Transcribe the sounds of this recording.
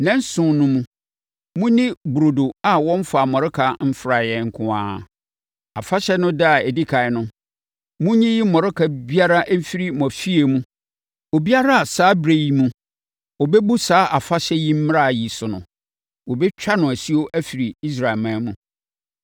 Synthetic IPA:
nɛ̃˦n˦sʊ̃˨nʊ̃˦mũ˦ | mũ˦nĩ˦bu˨ɾo˨do˨a˨wɔ̃˦m̩˦fa˨mɔ̃˨ɾɪ˦kʰa˨m̩˦fɾa˨jɛ˨ŋ̩˨kʰʊ̃˨ã̰ː˦˨ | a̰˨fa˦ɕɛ˦nʊ̃˦da˦a˨ɛ˨di˦kʰa˨ɪ˨nʊ̃˦ | mʊ̃˦ɲĩ˦ji˦mɔ̃˨ɾɪ˦kʰa˨bi˦a˦ɾa˦ʔm̩˦fi˦ɾi˦mɔ̃˨fi˦e˨mũ˦ | wo˨bi˦a˦ɾa˦a˨saː˦bɾe˨ji˨mũ˦ | ɔ˨bɛ˦bu˦saː˨˦ʔa˨fa˦ɕɛ˦ji˦m̩˦m˦a˦˨ji˨sʊ˨nʊ̰̃˨ | wo˨bɛ˦t͡ɕᶣa˦nʊ̃˨æ˨si˦o˦ʔæ˦fi˨ɾi˨i˦s̬ɾa˨lmã˨˦mũ˨

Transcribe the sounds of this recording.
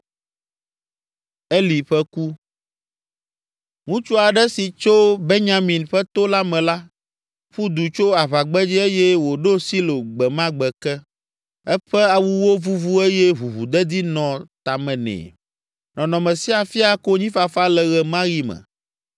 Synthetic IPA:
e˦li˨ɸɛ˦ku˦ | ŋũ˦t͡ʃu˦a˨ɖɛ˦si˨t͡ʃo˦be˦ɲã˦mĩ˨nɸɛ˦t̪o˦la˦mɛ̃˨la˦ | ɸu˦d̪u˨t͡ʃo˦a˨βa˨ɡ͡bɛ˦d͡ʒi˦e˦jɛ˦wo˨ɖo˦si˦lo˨ɡ͡bɛ˨mã˦ɡ͡bɛ˨kɛ˦ | ɛ˦ɸɛ˦a˨wu˦wo˦vu˦vu˦e˦jɛ˦βu˨βu˨d̪ɛ˦d̪i˦nɔ̃˨t̪a˨mɛ̃˨nɛ̰̃˨ | nɔ̃˨nɔ̃˨mɛ̃˨si˦a˨fi˦a˦ko˦ɲĩ˦fa˨fa˦lɛ˨ɣɛ˨mã˦ɣi˦mɛ̰̃˨

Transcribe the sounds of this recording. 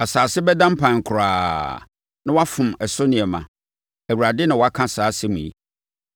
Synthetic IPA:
a˨saː˨sɪ˦bɛ˦dã˦m̩˦pʰã˨ŋ̩˨kʰʊ˨ɾaː˨ | nã˦wa˦fʊ̃˨mɛ˨sʊ˦nɪ̃˨ɛ˨mã̰˨ | æ˨wu˨ɾa˨dɪ˦nʊ̃˨wɔ˦a˦kʰã˦saː˨˦sɪ˦mũ˨ḭ˦

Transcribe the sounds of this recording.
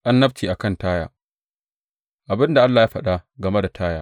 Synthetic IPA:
ʔa˦nːɐ˦btʰiː˨ʔa˨kɐ˦ntaː˦jaː˨ | ʔa˨bɪ˦nda˨ʔa˦lːaː˨jaː˦ɸɐ˦˨ɗa˦ɡɐ˨me˦da˨tʰaː˦jaː˦˨

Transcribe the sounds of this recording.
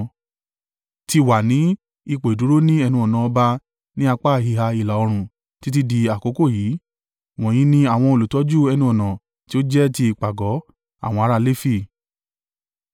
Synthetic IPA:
ti˧wa˨nĩ˨˦ | i˧k͡po˨i˨du˨˦ɾo˦nĩ˦ɛ˧nũ˧ɔ˨nã˨ɔ˧ba˧ | nĩ˦a˧k͡pa˦˨hi˧˨ɦa˧i˨la˨ɔ˧ɾ̃ũ˨ | ti˦t̬i˦di˧a˨ko˨˦ko˦˨jiː˨˦ | w̃ɔ̃˨j̃ĩ˨˦nĩ˧a˦˨w̃ɔ̃˧o˧lu˨tɔ˨˦d͡ʒu˦ɛ˧nũ˧ɔ˨nã˨ | ti˦o˦d͡ʒɛ˦ti˧i˨k͡pa˨ɡɔ˨˦ | a̰˦˨w̃ɔ̃˧a˧ɾa˧le˦fi˦˨

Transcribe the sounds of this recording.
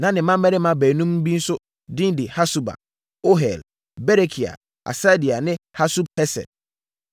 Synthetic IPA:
nã˨˦nɪ̃˨mã˦mɛ˦ɾɪ˦mã˨bæ˨nũ˦mn̩˦bi˦n̩˦sʊ˦ | dĩ˦ndi˨ha˦su˦ba̰˨ | o˦ɦɛ̰˨l | bɛ˦ɾe˦kʰi˨a̰˨ | ʔa̰˨sa˦di˨a˨nɪ̃˦ha˦su˦b̚hɛ˦sɛ̰˨d̚

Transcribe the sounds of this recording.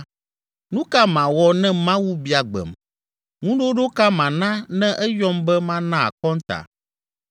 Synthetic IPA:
nũ˦ka˦mã˨wɔ˨nɛ̃˦mã˦wu˦bi˨a˨ɡ͡bɛ̰˨m | ŋũ˦ɖo˦ɖo˦ka˦mã˨nã˦nɛ̃˦ʔɛ˦jɔ˦mbɛ˦mã˦nã˦a̰˨kɔ˦ŋ˦t̪a̰˨

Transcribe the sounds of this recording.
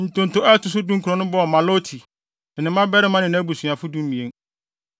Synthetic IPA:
n̩˨tʊ̃˨n̩˨tʊ˨ɛ˦tʊ˨s̬ʊ˦dũ˦ŋ˦kʰu˨ɾɔ̃˨nʊ̃˦bɔ˦ɔ˨mã˨lo˦tʰi˨ | nɪ̃˨˦mã˦bɛ˦ɾɪ˦mã˦nɪ̃˨ñ˦æ˦bu˨su˨ã˨fʊ˦dũ˦n˦nĩ˨ẽ˦

